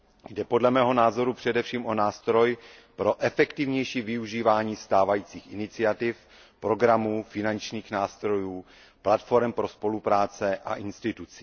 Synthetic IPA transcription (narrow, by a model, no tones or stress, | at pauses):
jdɛpo̞dlɛmɛːɦo̞naːzo̞ɾupr̥ɛdɛfʃiːmʔo̞naːst̪ɾo̞j | pɾo̞ʔɛfɛkt̪ɪvɲɛjʃiːvɪuʒiːvaːɲiːst̪aːvajiːt͡siːxʔɪnɪt͡sɪat̪ɪf | pɾo̞ɡɾamuːfɪnant͡ʃɲiːxnaːst̪ɾo̞juː | plat̪fo̞ɾɛmpɾo̞spo̞lupɾaːt͡sɛʔa̰ʔɪnst̪ɪt̪ut͡si̥ː